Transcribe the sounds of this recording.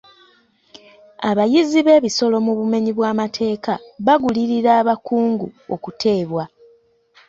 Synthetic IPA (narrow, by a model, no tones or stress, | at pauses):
aβajiziβe̞ːβiso̞lo̞muβume̞ɲiβwaːmatʰe̞ːkaβaɡuliɾiɾaːβakuːŋɡuo̞̰kutʰe̞ːβwa